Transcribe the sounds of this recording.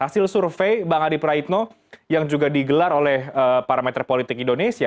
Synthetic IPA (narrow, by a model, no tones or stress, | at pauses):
hasɪlsurfejbaŋadipɾait̪̚no | jaŋd͡ʒuɡadiɡəlarolɛhəpaɾamet̪ɾɛpolit̪ɪkindonesia